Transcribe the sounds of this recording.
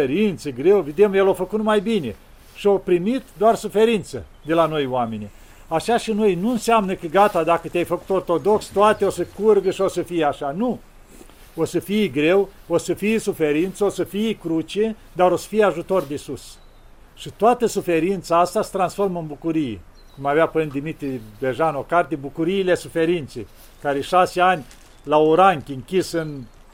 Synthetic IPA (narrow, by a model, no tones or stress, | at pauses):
eɾint̪səɡɾe̞wved̪e̞mjelofəkut̪majbine̞ | ʃiopɾimit̪d̪oarsufe̞ɾint̪səd̪e̞lano̞jwame̞nʲi | aʃaʃino̞jnuɨnseamnəkəɡat̪ad̪akət̪eajfəku̥t̪o̞rt̪o̞d̪o̞kst̪oat̪eo̞səkurɡəʃio̞səfijaʃanu | osəfijɡɾewo̞səfijsufeɾint̪səosəfijkɾut͡ʃe | d̪aɾo̞sə̥fijeaʒut̪o̞rd̪esus | ʃit̪oat̪əsufe̞ɾint̪saast̪asə̥t̪ɾansfo̞rmɨnbukuɾijḛ | kumaveapənd̪imit̪ɾibeʒano̞kart̪̬ebukuɾiːle̞sufe̞ɾint̪sḛ | kaɾeʃaseanʲ | laoɾaŋkʲɨŋkʲisɨn